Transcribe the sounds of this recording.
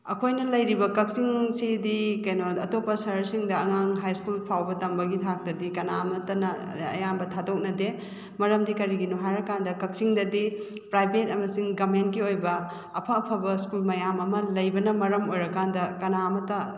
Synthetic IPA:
ɐ̰kʰojnɐlɐjɾibɐkɐk̚siŋsidikɐjnoɐtopːɐsɐɾsiŋdɐɐŋaŋɦajskulpʰawbɐtɐmbɐɡitʰak̚tɐdikɐnamɐtɐnɐ | ɐ̰jambɐtʰadok̚nɐde | mɐɾɐmdikɐɾiɡinuɦaɾɐkandɐkɐk̚siŋdɐdipɾajbet̚ɐmɐsiŋɡɐmentkiojbɐː | pʰɐːpʰɐbɐskulmɐjamɐmɐlɐjbɐnɐmɐɾɐmojɾɐkandɐkɐnaɐmɐtɐ

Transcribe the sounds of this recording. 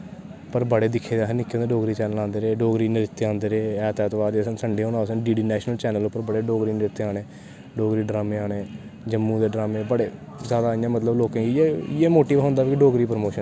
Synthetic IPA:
pəɾbəɽeːd̪ɪkʰːeːd̪aːɦnɪkːõnd̪eɖoːɡɾiːt͡ʃɛːnəlãːnd̪eːɾeːɖoːɡɾiːnɪɾɪt̪ːeːãːnd̪eːɾeːɛːt̪ɛːt̪ːʋaːɾd͡ʒeːsənsəɳɖeːɦõːnaːsəɖiːɖiːnɛːʃnəlt͡ʃɛːnəlopːəɾbəɽeːɖoːɡɾiːnɪɾɪt̪ːeːaːɽeː | ɖoːɡɾiːɖɾaːmẽːaːneːd͡ʒəmːuːd̪eːɖɾaːmẽːbəɽeː | zjaːd̪aːɪjãːmət̪ləbloːkãːɡiːejeːmoːʈiːʋɦõːnd̪aːbkɪɖoːɡɾiːpɾmoːʃən

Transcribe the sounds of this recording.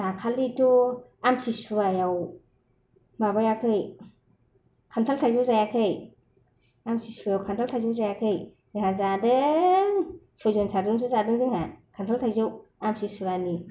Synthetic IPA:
akʰalituamsisuajaw | mabajakʰɯj | kʰantʰaltʰajzɯwzajakʰɯj | amsisuajawkʰantʰaltʰajzɯwzajakʰɯj | nazadɯŋsɔzɔnsʰadɯŋs̬uzadɯŋzɯŋhakʰantʰaltʰajzɯwamsisuɾani

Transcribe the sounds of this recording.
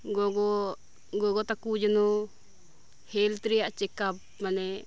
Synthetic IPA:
ɡɔɡɔ | ɡɔɡɔt̪akud͡ʒanɔ | hɛlt̪ɾijaʔt͡ʃɛkab̚ | manɛ

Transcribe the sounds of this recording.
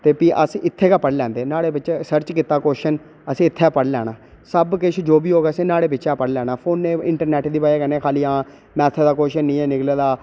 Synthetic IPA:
t̪eːpiːʔəsɪt̪ʰːeːkaːpəɽlɛ̃ːnd̪eːnaːɽeːbɪt͡ʃsəɾt͡ʃkiːt̪ːaːkoːʃən | əsĩːɪt̪ʰːepəɽlɛ̰ːɽaː | səbkɪt͡ʃʰd͡ʒoːbiːɦoːɡeːsẽːnaːɽeːbɪt͡ʃʃaːpəɽlɛːnaːpʰoːnːẽːɪ̰ɳʈəɾnɛːʈd̪iːpaːaːkɛːneːkʰaːliːãː | mɛːt̪ʰəd̪aːkoːʃənĩːɛːnɪkleːd̪aː

